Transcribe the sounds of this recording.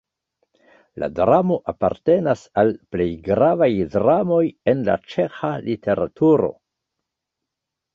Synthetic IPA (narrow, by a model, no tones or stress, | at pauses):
la̰dɾamo̞ʔapaɾte̞nasalple̞jɡɾavajdɾamo̞je̞nla̰t͡ʃe̞xalʔitʰe̞ɾa̰tuɾo̞̰